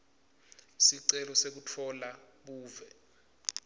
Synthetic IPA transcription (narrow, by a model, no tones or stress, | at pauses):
siǀɛlɔsek̬utʰɔla | ɓuːvɛ